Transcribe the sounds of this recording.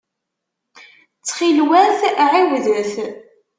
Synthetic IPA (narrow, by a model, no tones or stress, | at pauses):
t͡sːχilwæθʕiwðəθ